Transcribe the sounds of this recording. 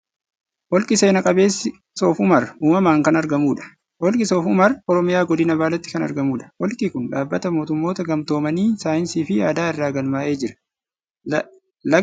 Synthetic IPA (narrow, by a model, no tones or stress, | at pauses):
wɔlkʼɪse̞ːnɐkʼɐbe̞ːsːɪ | soːfʊmɐruːmɐmaːŋkɐnɐɾɡɐmuːᶑɐ̥ | hɔlkʼɪsoːfʊmɐrɔɾɔmɪjaːɡɔd̪ɪnɐbaːlɐt̪ːɪ̥kɐnɐ̰ɾɡɐmuːᶑɐ̥wɔlkʼiːkʊnᶑaːbːɐt̪ɐmo̞ːt̪ʊmːo̞ːt̪ɐɡɐmt̪o̞ːmɐniːsaːjɪnsiːfɪjaːd̪aːɪrːaːɡɐlmaːʔe̞ːd͡ʒɪɾɐ̥ | lɐ